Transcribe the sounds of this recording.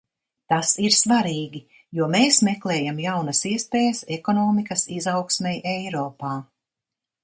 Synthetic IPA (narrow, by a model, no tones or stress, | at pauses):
t̪asiɾsvaɾiːɡʲi | juɔmeːsmeklɛːjamjawnɐsiɛspeːjɐsɛkɔnɔːmikɐsizawksmɛjɛjɾɔːpaː